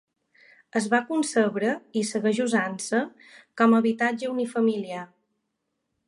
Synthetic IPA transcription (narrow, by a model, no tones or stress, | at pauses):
əzβakunsəβɾəisəɣəʒuzansə | kɔməβit̪ad͡ʒəunifəmilia